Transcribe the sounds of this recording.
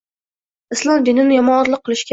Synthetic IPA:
ɪslˠɒmd̪ɪnɪnɪjɒmɒɒɾlˠɪqʰːɨlˠɪʃkʲ

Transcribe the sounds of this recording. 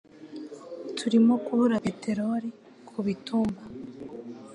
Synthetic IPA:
tʰuɾimo̞kuhuɾapete̞ɾoɾi | kʰuβituːmba

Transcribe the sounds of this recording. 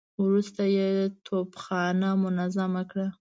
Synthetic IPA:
wɾust̪ajet̪ʰopxɑnamʊnazamakɽa

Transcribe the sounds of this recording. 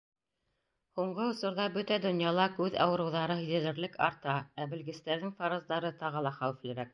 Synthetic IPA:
huɴɢɤŏsŏɾðɑbɵt̪æd̪ŏnjɑlˠɑkʉðɑ̰wɤ̆ɾɤ̆wðɑɾɤɦɵ̆ðæ̆ðɘ̆ɾlɘkɑ̰ɾt̪ɑæbɘ̆lɡɘ̆st̪æɾðɘŋfɑɾɤ̆zd̪ɑɾɤt̪ɑʁɤlˠɑχæwɘ̆flɘ̆ɾæk̚

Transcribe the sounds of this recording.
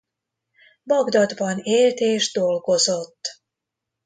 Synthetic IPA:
bɒɡd̪ɒd̪bɒneːlt̪eːʒd̪o̞lɡo̞zo̞t̪ː

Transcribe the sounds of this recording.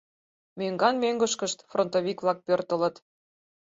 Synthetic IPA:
møŋɡɑnmøŋɡəʃkəʃt̪front̪oβʲikvlɑk̚pørt̪ələ̆t̪

